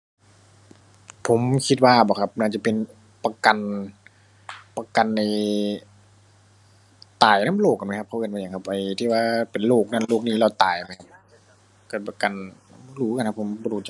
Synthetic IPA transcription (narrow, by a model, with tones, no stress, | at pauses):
pʰo˨˦mkʰi˧t̪̚waː˧˩bɔː˨˧˩kʰa˦˧p̚naː˧˩t͡ɕa˧˩pe˨n | pa˧ka˨n | pa˧ka˨nːa˧j | t̪aː˨˩jnaː˧˥˨loː˥˩k̚ːa˨nm˧˩kʰa˧˥kʰʔɯː˧˩nmaː˧˨a˨˩ŋkʰa˧p̚ʔa˨˩jt̪ʰiː˧˩waː˧˩pe˨˩nloː˥˩k̚naː˧˥˨loː˧˩k̚niː˧˩la˧˩wt̪aː˨˩jma˧˦kʰa˧p̚ | ka˧˩pa˧˩ka˨nː˧˥duː˧˦ka˧˨nka˧pʰːo˨˦mbɔː˧duː˧˩t͡ɕ